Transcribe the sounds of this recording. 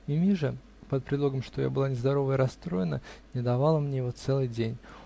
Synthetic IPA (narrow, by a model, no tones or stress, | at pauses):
imʲiʐɨ | pət̪̚pɾʲɪd̪lˠo̞ɡəmʂt̪o̞ja̰bɨlˠanʲɪzd̪ɐɾo̞vəɪɾɐst̪ɾo̞jɪnə̰nʲɪd̪ɐvɑlˠəmnʲejɪvo̞t̪sɛlˠɨjdʲenʲ